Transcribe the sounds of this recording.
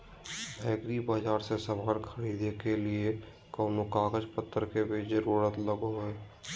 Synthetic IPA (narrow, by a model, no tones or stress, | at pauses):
bɛːkɾibaːd͡ʒaːɾsesəbaːɾkʰəɾiːd̪ekelie | kəːnokaːɡəd͡ʒpət̪ʰːəɾkebʱizəɾuːɾət̪ləɡoɦeː